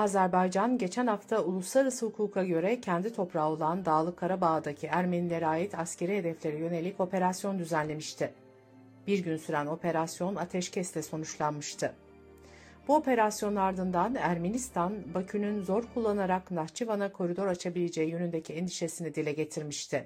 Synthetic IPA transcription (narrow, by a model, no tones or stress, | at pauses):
azæɾbajd͡ʒanɟe̞t͡ʃʰænhaft̪ʰaulˠuslˠaɾɯsɯhukʰuːkʰaɟø̞ɾɛcʰɛnd̪it̪ʰo̞pɾao̞lˠand̪aːlˠɯkʰːaɾabaːd̪acʰiæɾme̞nilʲeɾaːjit̪ʰascʰe̞ɾiɦe̞d̪ɛflʲe̞ɾijø̞ne̞lʲːico̞pʰe̞ɾasjo̞nd̪yzænlʲe̞miʃt̪ʰɪ | b̥iɾɟynsyɾæno̞pʰe̞ɾasjo̞nat̪ʰɛʃcʰɛslʲɛso̞nut͡ʃlˠanmɯʃt̪ʰɯ | b̥uo̞pe̞ɾasjo̞naɾd̪ɯnd̪anæɾme̞nist̪ʰanbacʰynynzo̞ɾkʰulˠːanaɾaknaht͡ʃʰivanakʰo̞ɾid̪o̞ɾat͡ʃʰabilʲed͡ʒejijønynd̪ecʰiɛnd̪iʃe̞sinid̪ilʲɛɟe̞t̪ʰiɾmiʃt̪ʰɪ